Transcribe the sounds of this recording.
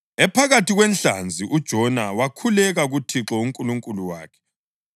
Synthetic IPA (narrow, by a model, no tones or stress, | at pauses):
ɛpʰaɣatiɣwɛnɬa̰nd͡zʱiʔud̥ʒ̥ʱɔnawakʰulɛɣaɣutʰiǁɔuŋkʼuluŋkʼuluwa̰ːkʰɛ̥